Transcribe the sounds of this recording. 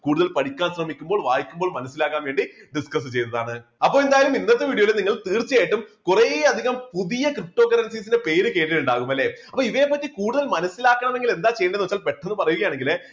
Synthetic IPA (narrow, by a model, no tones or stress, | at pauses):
kuːɽuðɐlpɐɽikʲːaːnsrɐmikʲːumboːɭʋaːjikʲːumboːɭmɐnɐsːilaːkːaːnʋe̞ːɳɖiɖiskɐs̬ɨt͡ɕe̞jt̪ːɐðaːɳɨɐpːoːend̪aːjɐlumind̪ɐt̪ːeʋiːɽioilniŋːɐɭt̪iːrt͡ɕːijaːjiʈːumkureːɐd̪ʱiɣɐmpuðijɐkrip̚ʈo̞ːkːɐɾɐns̬iːs̬indepe̞ːɾɨkeːʈ̬ːiluɳɖaːɣumɐlːe̞ɐpːoːiʋeːpːɐtːikuːɽuðɐlmɐnɐsːilaːkːɐɳɐme̞ŋɡile̞nd̪aːt͡ɕe̞jɐɳɖenoːt͡ɕːaːlpeʈːenːɨpɐrɐjuɣɐjaːɳe̞ŋɡil